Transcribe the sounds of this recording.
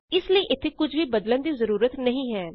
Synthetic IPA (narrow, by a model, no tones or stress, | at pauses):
ɪsləiːʔɪt̪ʰːeːkʊd͡ʒʰʋiːbəd̪lənd̪iːzəɾuːɾət̪nəɦĩːɦɛː